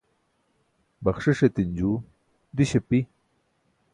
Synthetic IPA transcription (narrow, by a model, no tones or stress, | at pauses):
baχʂiʂet̪ind͡ʑu | d̪iɕepi